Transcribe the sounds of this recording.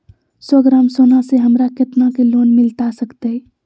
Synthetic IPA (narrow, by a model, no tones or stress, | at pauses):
sɔɡɾaːmsoːnaseɦəmɾakɪt̪nakeloːnmɪlt̪asəkt̪e